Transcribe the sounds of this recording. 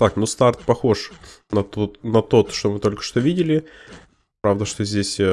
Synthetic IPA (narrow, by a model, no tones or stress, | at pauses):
t̪aknust̪art̪̚pɐxoʂ | nɐt̪ot̪nɐt̪o̞t̪ʂt̪omɨt̪o̞lʲkə̥ʂt̪ovʲidʲɪlʲɪ | pɾavd̪əʂt̪o̞zʲdʲesʲ